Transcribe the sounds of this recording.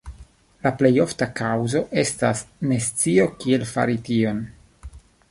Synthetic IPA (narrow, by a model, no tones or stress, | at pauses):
laple̞jo̞ftakawzo̞ʔe̞stasne̞st͡sio̞kie̞lfa̰ɾitio̞n